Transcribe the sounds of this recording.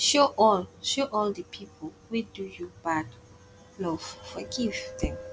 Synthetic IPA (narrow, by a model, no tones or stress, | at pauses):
ʃoʔɔlʃoʔɔldəpʰipʰɔl | widujubad | lɔv̥fəɡivðɛ̃m